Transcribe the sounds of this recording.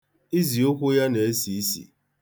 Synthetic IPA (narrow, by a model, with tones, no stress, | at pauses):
i˦zi˨o˦kʷʊ˦ja˦ne˨e˦si˨i˦sḭ˨